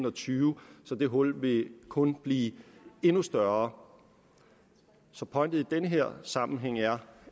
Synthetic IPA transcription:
n̩ɒt͡sʰyːʊsɒ̽d̥e̝ɦɔ̽l̰ʋe̝kʰɔ̽nb̥liːe̝nusd̥ɶɐ | sɒ̽pʰɒ̽ɪnd̥ð̩ˠid̥enəɦeɐ̰sɑ̈mn̩ɦeŋ̰æɐ

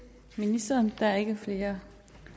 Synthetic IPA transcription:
minisd̥ɐːnd̥ææɐe̝ɡ̥əfle̝ːɐ

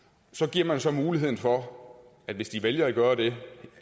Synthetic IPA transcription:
sɒ̽ɡ̥iɐ̰mænsɒ̽muːliɦe̝ð̞̰ˠn̩fɒ̽ | æd̥ʋe̝sd̥iʋeljɐæɡ̥ɶːɐd̥e̝

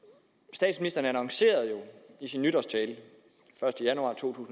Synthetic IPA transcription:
sd̥ɛ̰ːd̥sminisd̥ɐːnəænɑŋse̝̰ːɐð̞̩ˠjo̝isinːyɾ̥ɒst͡sʰɛːlə | fɶɐsd̥əjænuɑ̰̈ːt͡sʰo̝̰ːt͡sʰṵːsn̩

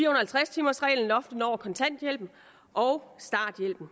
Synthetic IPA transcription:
fiːɐhonɐhælt͡sʰʁast͡sʰiːmɐsʁɛ̰ɪln̩ɒ̽fd̥ənɒʊ̰ɐkʰɒ̽nt͡sʰæn̰d̥jel̰b̥n̩ | ʔɒ̽ʊsd̥ɑ̈ːd̥jel̰b̥n̩

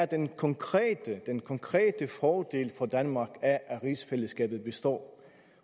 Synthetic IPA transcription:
æɐd̥enkʰɒ̽ŋkʰʁɛ̰ːd̥əd̥enkʰɒ̽ŋkʰʁḛːd̥əfɒːd̥e̝̰ːlfɒd̥ænmɑ̈ːɡ̥æʔæʁisfeləsɡ̥ɛ̰ːb̥ð̩ˠb̥e̝sd̥ɒ̰ː

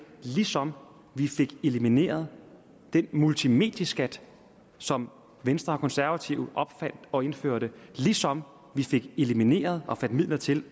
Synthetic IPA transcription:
lisɒ̽m | ʋife̝ɡ̥e̝limine̝̰ːɐð̞ˠ | d̥enmult͡sʰime̝̰ːd̥jɐsɡ̥æd̥ | sɒ̽m | ʋensd̥ʁɐkʰɒ̽nsæɐʋæt͡sʰiʊʔɒ̽b̥fæn̰d̥ɒ̽e̝nføɐ̰ɾ̥əlisɒ̽m | ʋife̝ɡ̥e̝limine̝̰ːɐð̞ˠɒ̽fæn̰d̥mið̰ˠlɐt͡sʰe̝l

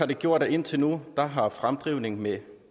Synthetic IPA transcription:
ɑ̈d̥e̝ɡ̥jo̝ɐ̰d̥æe̝n̰t͡sʰe̝lnud̥ɑ̈ɦɑ̈fʁamd̥ʁiːʊne̝ŋme

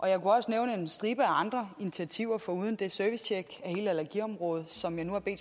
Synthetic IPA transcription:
ʔɒ̽jɑ̈ɪkʰuɒ̽səneʊnəe̝nsd̥ʁiːb̥əæɑ̈nd̥ʁɐinit͡sʰiæt͡sʰiʊ̰ɐfɒ̽uð̞ˠən̩d̥e̝søɐʋist͡ɕʰeɡ̥æhe̝̰ːləælɐɡ̥iɒ̽mʁɔ̽ːð̞̩ˠsɒ̽mjɑ̈ɪnuhɑ̈b̥e̝̰ːd

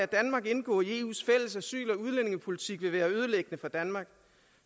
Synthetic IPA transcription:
æd̥ænmɑ̈ɡ̥e̝nɡ̥ɔ̰ːie̝̰ṵːsfel̰əsæsy̰ːlɒ̽uð̞ˠlene̝ŋəpʰo̝lit͡sʰiɡ̥ʋe̝ʋæːɐøð̞ˠəleɡ̥ənəfɒd̥ænmɑ̈ːɡ̥

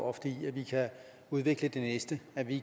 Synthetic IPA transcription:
ɒfɒd̥ə̥iiæʋikʰæ | uð̞ˠʋe̝ɡ̥ləd̥enesd̥əæʋi

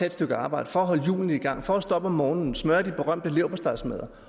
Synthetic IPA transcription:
ed̥sd̥øɡ̥əɑ̈ːb̥ɑ̈ɪ̰d̥əfɒ̽ɒɦɒ̽ləjṵːln̩iɡ̥ɑ̈ŋ̰fɒ̽æsd̥ɒ̽b̥ɒmɒːnn̩smɶɐd̥ib̥e̝ʁɶm̰d̥əle̝ʊpʰɒsd̥ɑ̈ɪsmeðˠɐ

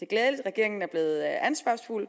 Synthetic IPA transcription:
d̥e̝ɡ̥lɛːðˠəlid̥ʁɛɡ̥e̝ɐ̰e̝ŋn̩æɐb̥le̝ːð̩ˠænsʋ̥ɑ̰̈sful̰

